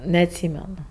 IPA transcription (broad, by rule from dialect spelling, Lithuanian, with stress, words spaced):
nʲɛɐtʲˈsʲiːmʲɛnʊ